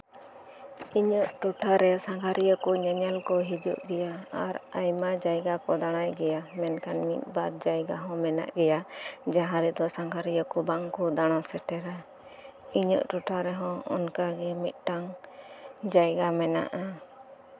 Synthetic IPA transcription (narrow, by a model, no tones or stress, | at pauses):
iɲəʔʈuʈʰaɾɛsaŋkʰaɾijəkɔɲaɲɛlkɔɦid͡ʒṵʔɡɛjaaɾajmad͡ʒajɡakɔd̪aɽ̃ajɡɛjamɛnkanmḭt̪̚ˀbad̪̚d͡ʒajɡaɦɔ̃mɛna̰ʔɡɛjad͡ʒaɦãɾɛd̪ɔsaŋkaɾijəkɔbaŋkɔd̪aɽ̃asɛʈɛɾa | iɲə̰ʔʈuʈʰaɾɛɦɔ̃ɔ̰nkaɡɛmit̪̚ˀʈaŋ | d͡ʒajɡamɛna̰ʔa